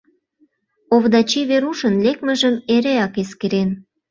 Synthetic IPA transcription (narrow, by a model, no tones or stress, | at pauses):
oβd̪ɑt͡ɕiβeɾuʃənlek̚mə̆ʒəmeɾeɑkeskeɾen